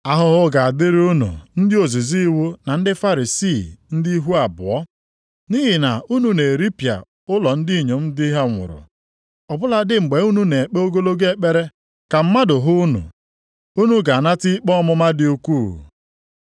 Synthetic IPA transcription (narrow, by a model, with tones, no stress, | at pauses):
a˨ɦʊ˦ɦʊ˦ɡa˨a˨dɪ˦ɾu˦nṵ˨n̩˦dɪ˦o˨zi˨zi˦wu˦na˨n̩˦dɪ˦fa˦ɾi˨si˦˨n̩˦di˦i˦ɦu˦a˨bʊ˨ɔ˦ | ni˦ɦɪ˨na˨ʔu˦nu˨ne˨ɾi˦pja̰˨ | ʊ˦lɔ˨n̩˦di˦i˨ɲe˨m̩˦dɪ˦ɦe˦ŋʷʊ̰˨ɾʊ̰˨ | ɔ˨bʊ˦la˦dɪ˦ŋ͡m̩˨ɡ͡be˨˦u˦nu˦ne˨e˨k͡pe˦o˦ɡo˦lo˦ɡe˦˨k͡pe˦ɾe˦ | ka˨m̩˦ma˦dʊ˨ɦʊ˦nṵ˨ | u˦nu˦ɡa˨a˨na˦tɪ˦i˦k͡pɔ˦mʊ˦ma˦dɪ˨˦u˦kʷu˦˨